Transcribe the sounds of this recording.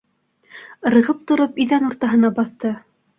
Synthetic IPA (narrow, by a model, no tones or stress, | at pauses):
ɾɤ̆ʁɤp̚t̪ŏɾɤpiðænuɾt̪ɑɦɤ̆nɑbɑθt̪ɤ